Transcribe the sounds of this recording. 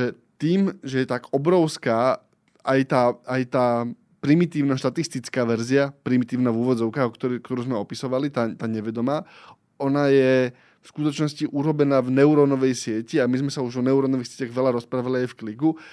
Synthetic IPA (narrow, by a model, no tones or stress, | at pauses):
ʒɛ | t̪iːmʒɛjɛt̪aɡɔbɾɔʊskaː | ʔajt̪aːajt̪aː | pɾimit̪iːʊnaːʃt̪at̪ist̪it͡skaːʋɛɾziapɾimit̪iːʊnaːuːʋɔd͡zɔʊkaɔkt̪ɔkt̪ɔɾuːzmɛɔpisɔʋalit̪at̪aːɲɛʋɛd̪ɔmaː | ɔnaːjɛ | fskut̪ɔt͡ʃnɔsciʔuɾɔbɛnaːvnɛuɾɔnɔʋɛjsɪɛciamizmɛsauʒɔnɛuɾɔnɔʋixsɪɛcaɣʋɛlaɾɔspɾaːʋaliajfkliɡu